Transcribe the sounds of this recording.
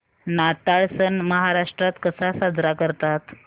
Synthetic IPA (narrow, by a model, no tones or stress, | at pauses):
nat̪aɭsənməɦaɾaʂʈɾat̪kəsasad͡zɾakəɾt̪at̪